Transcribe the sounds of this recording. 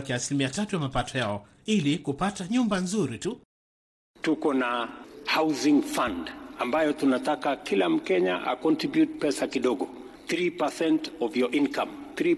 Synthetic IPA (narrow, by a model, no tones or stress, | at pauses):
kiasilimiatatujamapatɔjaɔ | ilikupataɲumbanzuɾitu | tukɔnahawzĩŋfãndambajɔtunatakakilam̩kɛɲa̰ʔa̰kɔntɾibjut̚pɛsakiɗɔɠɔ | θɾipasɛntɔvjɔʔinkamθɾi